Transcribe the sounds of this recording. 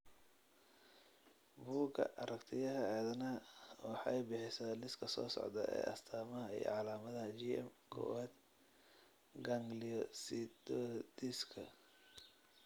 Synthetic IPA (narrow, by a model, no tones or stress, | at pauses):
buːɡʰɐ̰ʔɐɾʔɐkt̪ʰɪjɐɦɐʕɛːðɐnɐwɑħɑɛjbɪħɪsaːlɪskʰɐsɔ̰ːsɔ̰ʕd̪ɐʔɛ̰ːʔɐ̰st̪ʰaːmɐɦɐḭj̰ʕɑlaːmɐðɐɦɐd͡ʒiɛ̰mkʰɔ̰waːd̪ | ɡɐŋɡliɔsid̪ɔd̪iskʰɐ̰